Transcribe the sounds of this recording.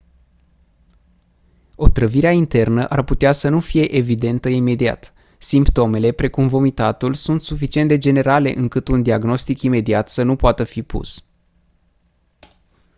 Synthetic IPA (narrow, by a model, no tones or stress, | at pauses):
o̞t̪ɾəviɾeaint̪e̞rnəʔarput̪easənufije̞ʔevid̪e̞nt̪əime̞d̪ia̰t̪ | simpt̪o̞me̞le̞pɾe̞kumvo̞mit̪at̪ulsunt̪sufit͡ʃie̞nd̪e̞d͡ʒe̞ne̞ɾale̞̰ʔɨŋkɨt̪und̪iaɡno̞st̪ikime̞d̪iat̪sənupoat̪əfipṵs